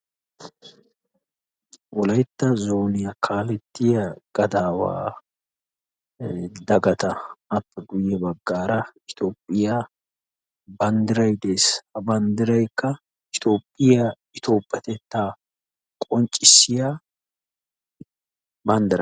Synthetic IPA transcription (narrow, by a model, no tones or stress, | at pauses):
wɔlɐjt̪ːɐzo̞ːnɪjɐkʰaːlɛt̪ːɪjɐɡ̥ɐd̪aːwa̰ː | d̪ɐɡɐt̪ɐɐpːɛɡʊjːɛbɐɡːaːɾɐɪt̪oːpʼːɪja | bɐnd̪ɪɾɐjd̪eːshɐbɐnd̪ɪɾɐjkːɐ | ɪt̪o̞ːpʼːɪjɐ | ɪt̪o̞ːpʼːjɐt̪ɛt̪ːaː | kʼɔnt͡ʃʼːɪsːɪja | bɐnd̪ɪɾɐ̰